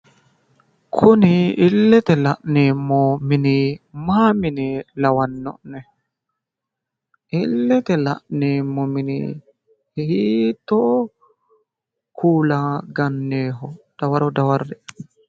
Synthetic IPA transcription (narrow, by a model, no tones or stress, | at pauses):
kʰɔniːlːɛt̪ɛlaʔnɛmːɔminimaːminilawanːɔ̰ʔnɛ | ʔilːɛt̪ɛla̰ʔnemːɔminḭ | hhit̪ɔ | kʰuːlaɡanːɛːɦɔd̥awaɾɔdawaɾdɛ